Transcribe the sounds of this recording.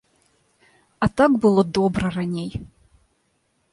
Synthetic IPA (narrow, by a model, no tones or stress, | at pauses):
at̪akbɨlˠod̪obrɐranʲej